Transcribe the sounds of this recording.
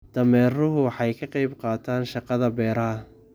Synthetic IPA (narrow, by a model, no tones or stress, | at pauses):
d̪̥ɐmɛːrʊɦʊħɑjkʰɐqɑjbqɑːt̪ʰaːnʃɑqɑðɐbɛːɾɐɦɐ